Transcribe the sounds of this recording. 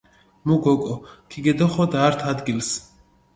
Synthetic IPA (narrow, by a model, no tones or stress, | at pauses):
muɡɔkʼɔkʰiɡɛd̪ɔχɔd̪aːɾt̪ʰad̪ɡils